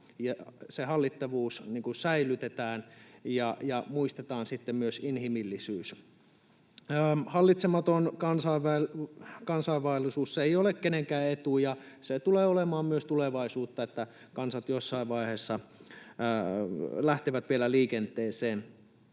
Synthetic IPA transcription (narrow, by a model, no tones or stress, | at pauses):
jɑsehɑlːit̪ːɑʋuːsniːŋkusæilyt̪et̪æːnjɑjɑmuist̪et̪ɑːnsit̪ːemmyøsinhimilːisyːs | əːhɑlːit̪semɑt̪onkɑnsɑiʋækɑnsɑiʋɑilːisuːsseiolekkeneŋkæːet̪uːjɑset̪uleːolemɑːmmyøst̪uleʋɑisuːt̪ːɑet̪ːæ | kɑnsɑt̪josːɑiʋʋɑihesːɑ | læht̪eʋæt̪ʋielæliːkent̪ːˑeːseːn